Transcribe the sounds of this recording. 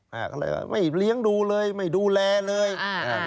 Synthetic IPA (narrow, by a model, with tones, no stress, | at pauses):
ʔa̰ː˨˧˩kɔ̰ː˧˩˧jwa̰˧˩mʔa˥˩jli˦˥˩əŋduː˧lɤː˧jma˥˩jduː˧lɛː˧lɤː˧j